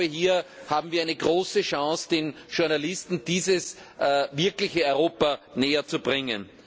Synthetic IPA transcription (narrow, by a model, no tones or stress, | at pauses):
əhiːɐhaːbm̩viːɐaɪnəɡʁoːsəʃãŋsd̥enʃʊɐnalɪstn̩d̥iːzəsvɪɐklɪçəɔʏʁoːpɐneːɐt͡subʁɪŋə̰n